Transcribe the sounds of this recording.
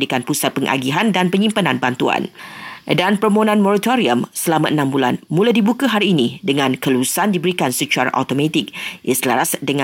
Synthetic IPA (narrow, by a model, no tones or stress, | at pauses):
dikanpusat̪̚pəŋʔa̰ɡiɦandanpəɲĩmpanãnbant̪ua̰ndanpəɾmonãnmoɾat̪oɾiəmsəlamãʔənãmbula̰nmũladibukaɦaɾiːnĩdəŋãnkəlusandibəɾikansət͡ʃuaɾa̰ʔa̰t̪omãt̪ik̚ʔisla̰ɾasdəŋã